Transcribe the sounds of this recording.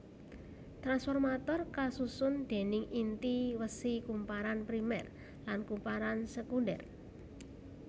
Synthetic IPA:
t̪ɾansfɔrmat̪ɔrkasusʊnd̪̥e̤nɪŋʔint̪iwəsikumpaɾanpɾimɛ̰r | lankumpaɾansəkundɛ̰r

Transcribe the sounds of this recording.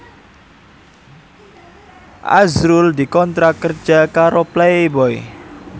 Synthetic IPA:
ʔa̰zɾuld̪i̤kɔnt̪ɾakərd͡ʒakaɾoplaebɔḛ

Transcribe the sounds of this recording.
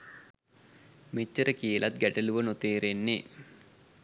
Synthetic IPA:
met͡ʃːəɾəkijəlʔat̪̚ɡæʈəluʋənot̪eːɾenːe

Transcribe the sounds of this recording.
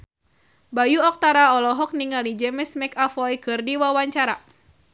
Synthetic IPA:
bajuɔk̚t̪aɾaɔlɔɦɔk̚niŋalid͡ʒɛmɛsmɛkafɔjkɨrdiwawaɲt͡ʃaɾa

